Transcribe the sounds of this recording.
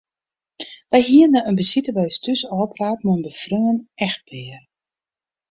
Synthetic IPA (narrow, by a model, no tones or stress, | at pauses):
ʋɛjɦiənːaənbəsitəbœjstysɔːpraːtmuənbəfrøŋənɛx̚pʰɪər